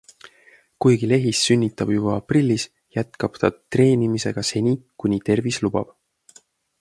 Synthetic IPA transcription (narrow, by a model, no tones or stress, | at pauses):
kujɡile̞ɦisːynʲːit̪ːˑɑb̥jub̥ɑːprilʲːis | jæt̪kɑb̥t̪ɑt̪re̞ːnʲimise̞̰ɡ̥ɑse̞nʲikunʲit̪e̞rvislub̥ɑ̰b̥